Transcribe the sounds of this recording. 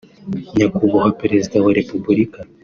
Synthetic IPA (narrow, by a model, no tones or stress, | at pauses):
ɲakuβɔɣapeɾezid̪awaɾepublika